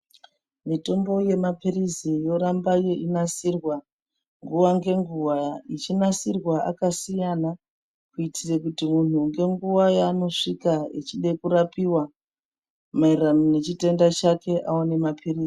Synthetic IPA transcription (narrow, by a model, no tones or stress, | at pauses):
mito̞mbo̞je̞mapirizijo̞ɾambajeʔinasirwa | ŋɡuʋaŋɡe̞ŋɡuwait͡ʃinasirwaʔa̰kasijana | kuitʰirekutimun̤uŋɡe̞ŋɡuʋajano̞ʂikaet͡ʃiɗekuɾapiwa | mairanone̞t͡ʃite̞ndat͡ʃake̞ʔaone̞mapʰiriːzi